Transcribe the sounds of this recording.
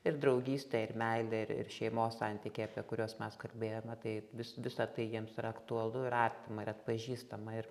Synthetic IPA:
ɪrd̪ɾɐʊɡʲiːsʲt̪ʲɛɪrmʲɛɪlʲɛɪɾɪ̰rʃʲɛɪmoːssɑnʲt̪ʲikʲeɪɐpʲiɛkʊɾʲoːsmʲɛskɐlʲbʲeːjoːmʲɛt̪ɐɪʋʲɪsʋʲɪsɐt̪ɐɪjiɛmsɪɾɐkt̪ʊɐlˠʊɪɾɐrʲt̪ʲɪmɐɪɾɐt̪pɐʒʲiːst̪ɐmɐɪr

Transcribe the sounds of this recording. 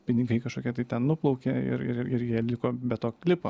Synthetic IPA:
pʲɪnʲɪɡɐɪkɐʃkoːkʲiɛt̪ɐɪt̪ʲɛnnʊplˠɒʊkʲeːɪ̰ɾɪ̰ɾɪɪɾjiɛlʲɪkoːbʲɛt̪t̪oːklʲɪpo̰

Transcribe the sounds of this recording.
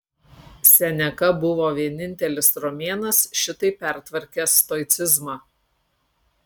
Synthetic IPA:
sʲɛnʲɛkɐbʊʋoːʋʲiɛnʲɪnʲt̪ʲɛlʲɪsɾɔmʲeːnɐsʃʲɪt̪ɐɪpʲɛˑɾt̪ʋɐɾʲkʲɛːst̪ɔɪt̪sʲɪzmɑː

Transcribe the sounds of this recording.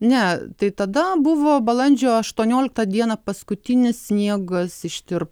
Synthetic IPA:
nʲɛt̪ɐɪt̪ɐd̪ɐbʊʋoːbɐlˠɐnʲd͡ʒʲoːɐʃt̪uɔnʲoːlʲɪk̚t̪ɐd̪ʲiɛnɐpɐskʊt̪ʲɪnʲɪssʲnʲiɛɡɐsɪʃʲt̪ʲɪɾp

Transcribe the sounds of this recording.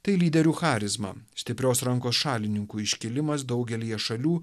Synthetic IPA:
t̪ɐɪlʲiːd̪ʲɛɾʲuːxɑːɾʲɪzmɐ̰sʲt̪ʲɪpʲɾʲoːsɾɐŋkoːsʃɑːlʲɪnʲɪŋkuːɪʃʲkʲɪlʲɪmɐsd̪ɒʊɡʲɛlʲiːjɛʃɐlʲuː

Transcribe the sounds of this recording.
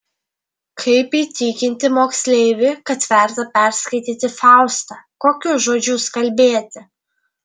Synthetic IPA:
kʰɐɪpiːt̪ʲiːkʲɪnʲt̪ʲɪmoːksʲlʲɛɪʋʲɪkɐt̪ʋʲɛˑɾt̪ɐpʲɛˑɾskɐɪt̪ʲiːt̪ʲɪfɑˑʊst̪ɑkoːkʲʊʒoːd͡ʒʲʊskɐlʲbʲeːt̪ʲɪ

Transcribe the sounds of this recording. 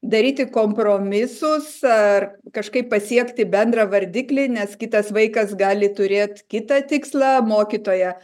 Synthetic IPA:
d̪ɐɾʲiːt̪ʲɪkoːmpɾoːmʲɪsʊsɐrkɐʃkɐɪppɐsʲiɛkt̪ʲɪbʲɛnd̪ɾɐʋɐɾʲd̪ʲɪklʲɪnʲɛskʲɪt̪ɐsʋɐɪkɐsɡɑːlʲɪt̪ʊɾʲeːt̪kʲɪt̪ɐt̪ʲɪkslˠɑmoːkʲit̪oːjɛ

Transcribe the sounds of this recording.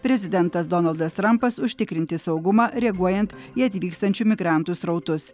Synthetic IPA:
pʲɾʲɛzʲɪd̪ʲɛnt̪ɐsd̪ɔnɐlˠd̪ɐst̪ɾɐmpɐsʊʃʲt̪ʲɪkɾʲɪnʲt̪ʲɪsɒʊɡʊmɑːɾʲɛɡuɔjɛnt̪ | iɐt̪ʲʋʲiːkst̪ɐnʲt͡ʃʲumʲɪɡɾɑˑnt̪usɾɐʊt̪ʊs

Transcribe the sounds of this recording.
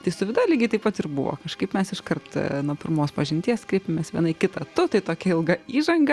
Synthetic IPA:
t̪ɐɪsʊʋʲɪd̪ɑːlʲɪɡʲɪt̪ɐɪpɐt̪ɪrbʊʋo̰ːkɐʃkɐɪpmʲɛsɪʃkɐrt̪nuɔpʲɪɾmoːspɐʒʲɪnʲt̪ʲiɛskɾʲeːpʲɪmʲeɛsʋʲiɛnɐɪkʲɪt̪ɐt̪ʊt̪ɐɪt̪oːkʲɛɪlˠɡɐiːʒɐŋɡɐ

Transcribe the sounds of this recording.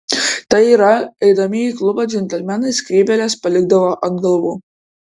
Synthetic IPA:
t̪ɐɪiːɾɐɛɪd̪ɐmʲɪiklˠʊbɑd͡ʒʲɛnʲt̪ʲɛlʲmʲɛnɐɪskɾʲiːbʲɛlʲɛspɐlʲɪɡ̚d̪ɐʋoːʔɐnɡɐlˠʋuː

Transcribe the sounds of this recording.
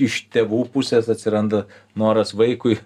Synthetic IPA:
ɪʃt̪ʲeːʋuːpʊsʲɛsɐt̪ʲsʲɪɾɐnd̪ɐnoːɾɐsʋɐɪkʊɪ

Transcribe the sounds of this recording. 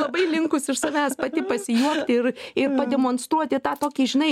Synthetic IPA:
lˠɐbɐɪlʲɪŋkʊsɪʃsɐʋʲæːspɑːt̪ʲɪpɐsʲɪjuɔkt̪ʲɪɪrɪrpɐd̪ʲɛmonst̪ɾuɔt̪ʲɪt̪ɑːt̪oːkʲiːʒʲɪnɐɪ

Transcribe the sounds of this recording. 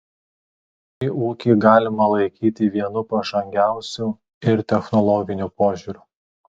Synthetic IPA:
iːʔuːkʲɪːɡɑːlʲɪmɐlˠɐɪkʲiːt̪ʲɪʋʲiɛnʊpɐʒɐŋʲɡʲæˑʊsʲu | ɪɾt̪ʲɛxnɔlˠɔɡʲɪnʲupoːʒʲuːɾʲuː

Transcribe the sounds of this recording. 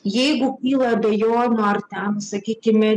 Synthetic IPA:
jɛɪɡʊkʲiːlˠɐɐbʲɛjoːnʲʊɐrt̪ʲɛnsɐkʲiːkʲɪmʲɛ

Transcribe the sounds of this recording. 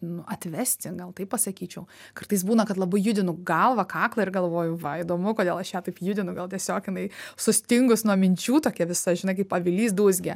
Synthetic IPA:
nʊʔɐt̪ʲʋʲɛsʲt̪ʲɪɡɐlˠt̪ɐɪppɐsɐkʲiːt͡ʃʲɛʊkɐrt̪ɐɪsbuːnɐkɐt̪lˠɐbɐɪjʊd̪ʲɪnʊɡɐlˠʋɐkɑːklˠɐɪɾɡɐlˠʋoːjʊʋɐid̪oːmʊkoːd̪ʲeːlˠɐʃjæt̪ɐɪpjʊd̪ʲɪnʊɡɐlˠt̪ʲiɛsʲoːkjɪnɐɪsʊsʲt̪ʲɪŋɡʊsnuɔmʲɪnʲt͡ʃʲuːt̪oːkʲiɛʋʲɪsɐʒʲɪnɐɪkɐɪpɐʋʲɪlʲiːsd̪uːzʲɡʲɛ

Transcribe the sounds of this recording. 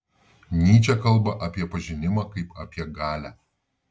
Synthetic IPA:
nʲiːt͡ʃʲɛkɐlˠˑbɐʔɐpʲiɛpɐʒʲɪnʲɪmɑːkɐɪpɐpʲiɛɡɑːlʲæː

